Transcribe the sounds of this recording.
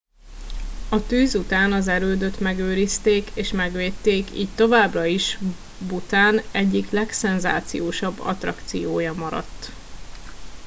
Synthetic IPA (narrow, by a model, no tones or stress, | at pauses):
ɒt̪øːzut̪aːnɒzɛɾøːd̪øt̪mɛɡøːɾist̪eːkeːʃmɛɡʋeːt̪ːeːkḭːct̪o̞vaːbrɒiʃ | but̪aːnɛɟːiklɛksɛnza̰ːt̪sḭjoːʃɒbːɒ̰t̪rɒkt̪sijoːjɒmɒɾɒ̰t̪ː